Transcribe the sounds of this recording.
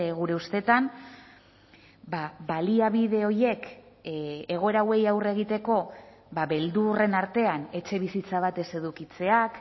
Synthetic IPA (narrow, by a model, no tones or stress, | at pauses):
ɣuɾe̞ust̪e̞t̪am | baβaliaβiðe̞o̞je̞k | eɣ̞o̞e̞ɾawe̞jawre̞ɣ̞it̪e̞ko̞ | baβe̞ld̪ure̞naɾt̪e̞ane̞t͡ʃe̞β̞isit͡saβ̞at̪e̞se̞ðukit͡se̞ak